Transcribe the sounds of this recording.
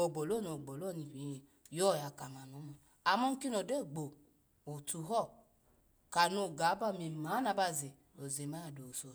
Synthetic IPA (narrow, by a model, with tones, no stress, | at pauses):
o˨ɡ͡bo˨lo˦˨no˨ɡ͡bo˨lo˦˨ni˨bi˨˦e˨ | jɔ˦˨ja˨ka˨ma˨no˨˦mɔ˨ | a˨mɔ˦ŋ̩˦ki˦no˨de˦˨ɡ͡bo˨ | o˨tu˨ɦɔ˦˨ | ka˨no˨ɡa˨˦ba˦˨me˨ma˨˦na˧ba˧ze˨ | o˨ze˨ma˦a˨do˨so˨